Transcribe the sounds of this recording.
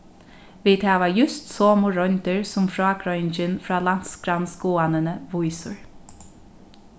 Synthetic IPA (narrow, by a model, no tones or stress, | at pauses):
ʋiːt̪ʰɑːʋɑjʉst̪soːmʊɹœnt̪əɹsʊmfɾɑːkʰɾœʏnd͡ʒənfɹɑːlant̪sɡɾansɡuːanənəʋɔʏsʊ̰ɹ